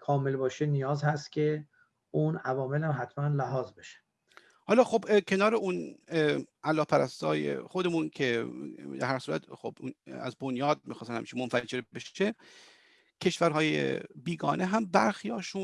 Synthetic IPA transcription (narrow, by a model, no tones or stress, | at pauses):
kʰɒːmelbɒːʃenijɒːzhæst̪cʲʰe | unævɒːmelhæmɦæt̪ʰmænlæɦɒːzbeʃe̥ | hɒːlɒːxo̞bcʰe̞nɒːɾeʔun | ʔælːɒːhpʰæɾæst̪ɒ̰ːjḛxod̪e̞muncʰe̞d̪æ̰ɾhæɾsuːɾæ̰t̪xob̥næ̰zbonjɒːd̪̚mixɒːst̪ænhæmiːt͡ʃʰimonfæd͡ʒe̞ɾbeʃe | cʰe̞ʃvæɾɦɒːjḛbiːɡɒ̰ːnʔeɦæmbæɾxijɒːʃun